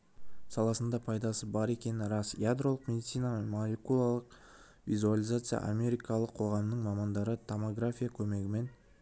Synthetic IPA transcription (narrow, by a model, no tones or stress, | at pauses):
sɑlˠɑsənd̪ɑpʰɑjd̪ɑsəbɑɾe̞kʲe̞nɪɾɑsjad̪ɾo̞lˠəqmʲe̞d̪it̪sijnamolʲekulˠalˠəq | vḭzualʲˠijzat̪sɨja̰ʔa̰mʲe̞ɾijkɑlˠəqʰo̞ʁɑmənəɴmɑmɑnd̪ɑɾət̪ʰomoɡɾafʲijakʲʰɵme̞ɡʲɪme̞n